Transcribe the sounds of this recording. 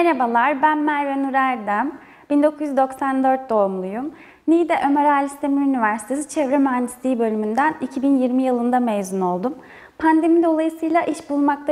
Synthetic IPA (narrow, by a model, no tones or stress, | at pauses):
eɾabalˠaɾbænmæɾvɛnuɾæɾd̪æm | b̥ind̪o̞kʰuzjyzd̪o̞ksand̪ø̞ɾt̪̚d̪o̞umlˠujum | nijd̪ɛʔø̞meɾaːlʲist̪ʰemiɾynivæɾsi̥t̪ʰe̞sit͡ʃʰɛvɾemyɦand̪i̥st̪iːibø̞lʲymynd̪ænicʰibinjiɾmijilˠɯnd̪amejzuno̞lˠd̪um | pʰand̪e̞mid̪o̞lˠajɯsɯjlˠaʔiʃbulˠmakt̪ʰa